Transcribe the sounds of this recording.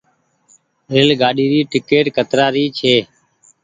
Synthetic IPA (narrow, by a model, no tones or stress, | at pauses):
ɾɪlɡaːɗiːɾiːʈɪkeːʈkət̪ɾaːɾiːt͡ʃʰeː